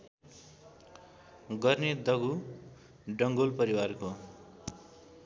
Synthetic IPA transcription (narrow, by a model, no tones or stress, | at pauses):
ɡʌrned̪ʌɡu | ɖʌŋɡolpʌɾiwarko